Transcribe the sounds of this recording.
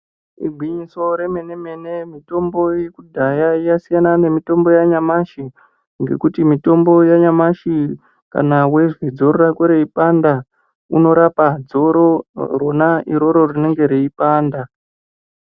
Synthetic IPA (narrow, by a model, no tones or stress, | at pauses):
ḭɡʱwiɲiso̞ɾe̞me̞ne̞me̞ne̞mito̞mbo̞jekudʱajaijasijanane̞mito̞mbo̞jaɲamaʃi | ŋɡe̞̰kutimito̞mbo̞jaɲamaʃi | ka̰nawe̞ʐid͡zo̞ɾoɾakwoɾeipanda | uno̞ɾapad͡zoɾoro̞naiɾo̞ɾo̞rine̞ŋɡe̞ɾiipaːnda